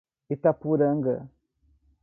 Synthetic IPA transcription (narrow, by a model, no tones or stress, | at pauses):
itapuɾəŋɡə̰